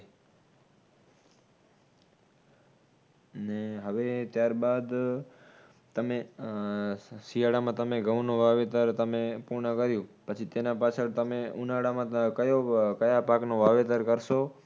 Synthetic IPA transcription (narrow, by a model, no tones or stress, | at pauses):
neɦəʋet̪jaɾbad̪ | t̪əme | sijaɽamãt̪əmeɡəʋnõʋaʋet̪əɾt̪əmepuɾɳəkəɾjũpət͡ʃʰit̪enãpat͡ʃʰəɾt̪əmeʔunaɽamãkəjokəjapaknoʋaʋet̪əɾkəɾʃo